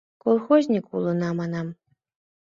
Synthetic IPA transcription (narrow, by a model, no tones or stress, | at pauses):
kolˠxozʲnʲikṵlˠɤ̆nɑmɑnɑm